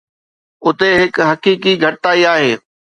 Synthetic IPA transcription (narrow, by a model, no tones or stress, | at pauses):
ʊt̪eɦɪkɦɐkiːkiɡʱɐʈɪt̪aːiaːɦeː